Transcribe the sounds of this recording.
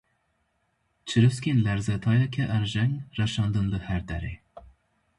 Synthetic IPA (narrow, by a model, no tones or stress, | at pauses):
t͡ʃʰɨɾɨskʲenlæɾzɛt̪ʰɑjɛkʲʰɛʔæɾʒɛŋrɛʃɑnd̪ɨnd̪ɨhæɾd̪ɛɾḛ